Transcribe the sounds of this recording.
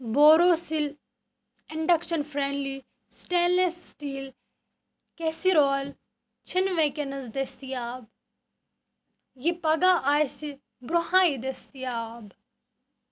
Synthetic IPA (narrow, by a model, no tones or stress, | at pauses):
boːɾoːsil | ɪɳɖɐkʃɐnfʰɾeːɳɖli | sʈeːlesʈiːl | kesiɾoːl | t͡ʃʰinʋekenɐzd̪est̪ijaːb | jipɐɡaːʔaːjsi | ɡɾʊɦãːid̪est̪ijaːb